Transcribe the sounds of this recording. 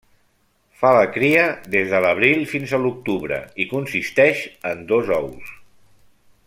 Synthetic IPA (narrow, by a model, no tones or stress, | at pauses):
faləkɾiəðezðələβ̞ɾilˠfinzəluk̚t̪uβɾə̰ikunsist̪ɛʃənd̪ozɔws